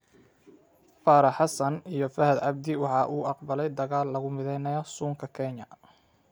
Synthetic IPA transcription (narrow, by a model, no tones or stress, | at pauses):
faːɾɑħɑsɐnijɞfɐɦɐd̪ʕɑb̚d̪ɪwɑħɑːʔuːʔɑqbɐlɛjd̪ɐɣaːlːɐɣʊmɪðɛjnɐjɔsuːŋkʰɐkʰɛɲɐ